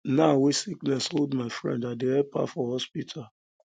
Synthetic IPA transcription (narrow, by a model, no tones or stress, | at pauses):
nawesiknɛsholdmaɪfɹɛ̰̃ndadeɛpa̰fɔhɔspitʰa